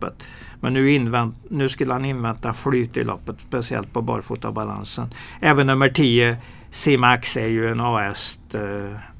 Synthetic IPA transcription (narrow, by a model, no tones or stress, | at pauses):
ə̰t̪ | mɛnːʉ̟ːɪnvɛnnʉ̟ːskɵlːəhanɪnvɛnt̪aflyːt̪ɪ̰lʔɔ̰pːət̪spɛsɪɛ̰lt̪̚pʰɔbɑ̰ːɾfuːt̪a̰bala̰nsənɛːvənːɵmːəʈʰiːə | siːmaksæɾjɵɛnɑːɛst̪